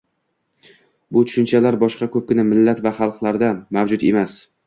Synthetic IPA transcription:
bʊt̪ʰʊ̥ʃʊnt͡ʃʰalaɾbɒʃqɑkʰɵp̚kʲɪnamɪlːat̪vaχɑlˠqlˠaɾd̪amavd͡ʒʊt̪e̞mas

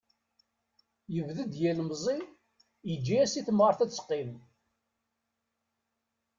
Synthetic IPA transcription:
jəvðəd̪jælmzˤi | jəd͡ʒːiæsiθmʁəɾˤθæt͡sːsqːim

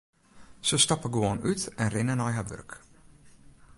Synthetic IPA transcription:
səstɑpəɡoənytɛnrɪnənɔjɦaʋø̰rk

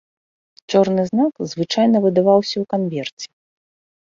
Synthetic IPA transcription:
t͡ʂɔrnɨznakzvɨt͡ʂajnɐvɨd̪avawsʲɐwkanvʲɛrt͡sʲɛ̥

